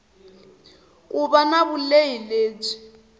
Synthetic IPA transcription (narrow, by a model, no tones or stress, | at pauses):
kʼubanaβuleileːb͡ʐi̥